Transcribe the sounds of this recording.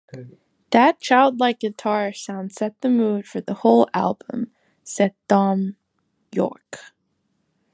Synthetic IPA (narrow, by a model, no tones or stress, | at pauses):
ðɨt̚t͡ʃʰaɪlˠdˡlaɪk̚ɡ̥ɨtʰɑɹsãʊ̃nd̥sɛt̪̚ðɨmud̥fə˞ðəhoʊlˠæ̰lˠbə̰̃m | sɛd̚d̥ɑ̃m | jɔ̰ɹk